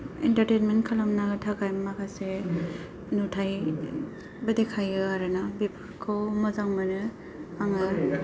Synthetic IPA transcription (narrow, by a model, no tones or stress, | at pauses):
ɛ̰ntaɾtenmentkʰalamnaɡɯtʰakajmːakase | nutʰaj | bɯdekʰajɡɯaɾɯnabep | kʰɯwmɯzaŋmanɯ | aŋaɾ